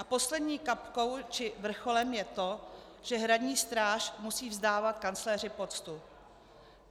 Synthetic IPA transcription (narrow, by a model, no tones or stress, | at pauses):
ʔapo̞slɛdɲiːkapko̞wt͡ʃɪvr̩xo̞lɛmjɛt̪o̞ | ʒ̥ɛɦɾadɲiːst̪ɾaːʃmusiːvzdaːvat̪kant͡slɛːr̝ɪpo̞t͡st̪u